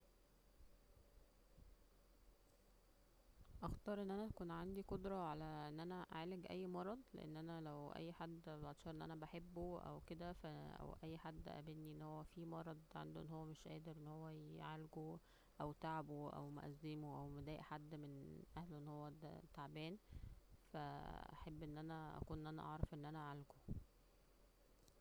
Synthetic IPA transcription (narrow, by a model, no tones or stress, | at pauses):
ʔɑxt̪ɑːɾˤʔenːʔænæt̪ækuːnʕand̪ikod̪ɾˤɑʕalæʔenːʔænæʔaʕaːleɡʔæ̰jːmɑɾˤɑd̪ˤlḛʔḛnːʔænælæwʔæ̰jːħad̪ːbʔɑt̪ʃɑɾˤʔenʔæ̰næbaħebːoʔæ̰wked̪æfææ̰wʔæjːħad̪ːʔæ̰benːiʔenːhowːæfimɑɾˤɑd̪ˤʕa̰nd̪oʔenːhowːæmeʃʔæ̰ːd̪eɾʔenːhowːæjʕalɡo | ʔæwt̪aʕboʔæ̰wmo̰ʔæ̰zːemoʔæwmed̪æːʔħad̪ːmenʔæhloʔenːhowːæd̰t̪ːaʕbæːnfæʔæ̰ħebːʔenːʔænæʔæ̰kuːnʔenːʔænæ̰ʔɑʕɾˤɑfʔenːʔænæʔʕalɡo